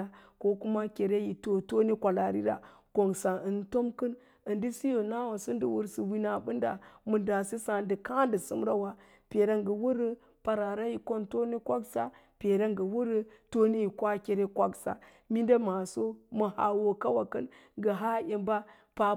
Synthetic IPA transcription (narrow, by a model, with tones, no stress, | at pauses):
a˨ko˦ku˦ma˦kʲe˨ɾe˦ji˨to˨to˦ni˦kʷa˨la˨ɾḭ˦ɾa̰˨ | ko˨ŋsa˨ə˨nto˦mkə˦n | ə˨ndi˦si˦jo˨na˦wa˨so˦n˦də˦wu˨ɾsi˨wi˨na˨bu˦nda̰˨mu˨da˨si˦sa˨də˨ka˦ndə˨sṵ˦mɾa˦wa˨ | pe˨ɾa˦ŋɡə˨wu˦ɾə˦ | pa˨ɾa˨ɾa˦ji˨ko˦nto˦ni˦kʷa˦ksa˦ | pe˨ɾa˦ŋɡə˨wu˦ɾə˦to˦ni˦ji˨kʷa˦kʲe˨ɾe˦kʷa˦ksa̰˨ | mi˦nda˦ma˨so˦mə˨ha̰˨wo˨ka˦wa˨kə˦n | ɡə˨ɦa˦je˨mba˦ | pa˨